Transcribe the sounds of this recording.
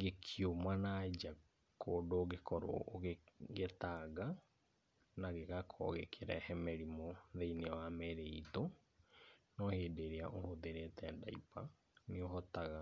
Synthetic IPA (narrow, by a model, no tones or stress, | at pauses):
ɡekʰjomwanaːd͡ʒa | kʰoːdoːɣekʰɔɾo̰ːɣeɣetaːɣa | naɣeɣakʰɔ̰ɣḛkʰeɾɛ̰hɛmɛɾimoðeineɔwamɛɾeito | nɔheːdeɾeaʔohoðeɾetɛda̰ḭpa | neoɦɔtaɣa